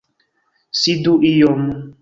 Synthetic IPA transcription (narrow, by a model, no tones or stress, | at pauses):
siduʔijɔmu